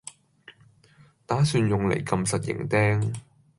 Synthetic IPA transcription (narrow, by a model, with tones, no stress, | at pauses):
t̪aː˨˥syː˧njʊ˨ŋlḛ˨˩jkɐ˧msɐ˨t̚jɪ̰˨˩ŋt̪ɛː˥ŋ